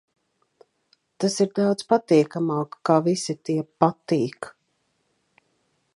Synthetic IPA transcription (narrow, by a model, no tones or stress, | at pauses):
t̪asiɾd̪awd̪z̥pat̪iɛkamaːkːaːvisit̪iɛpat̪iːk